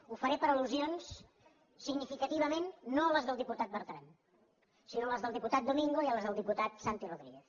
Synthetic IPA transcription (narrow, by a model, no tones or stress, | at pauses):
ufəɾepəɾəluzions | sːiɡnifikət̪iβ̞əmenːoələzðəlˠd̪iput̪at̪̚bəɾt̪ɾan | sinoləzðəlˠd̪iput̪at̪̚d̪umiŋɡoiələzðəlˠd̪iput̪at̪sant̪iroðɾiɣeθ